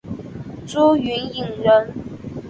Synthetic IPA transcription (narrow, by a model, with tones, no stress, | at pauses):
t͡su˥y˧˥ni˥˨˩ŋɻə˧˦n